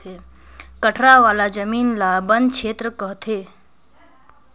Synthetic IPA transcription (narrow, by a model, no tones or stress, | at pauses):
e | kəʈʰɾaʋaːlad͡ʒəmiːnlabə̃nd̪t͡ʃʰeːt̪ɾəkəɦt̪ʰeː